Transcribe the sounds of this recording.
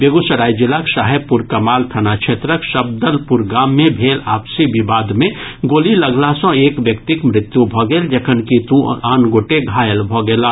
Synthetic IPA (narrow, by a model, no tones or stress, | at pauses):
beɡusəɾaːid͡ʒɪlakʃaːɦepuɾkɐmaːlt̪ʰɐnaʃʰet̪ɾəkʃəb̚d̪əlpuɾɡaːmːẽbʱeːlaːpsibibaːd̪mẽɡoːlilɐɡlasɔ̃eːkʋjɐkt̪ɪkmɾɪt̪jubʱɔɡeld͡ʒɐkʰənkit̪ũaːnɡoːʈeɡʱaːjəlbʱɔɡeːlaː